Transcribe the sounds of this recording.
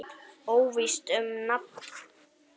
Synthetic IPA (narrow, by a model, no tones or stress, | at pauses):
oːwvist̪ʏmnap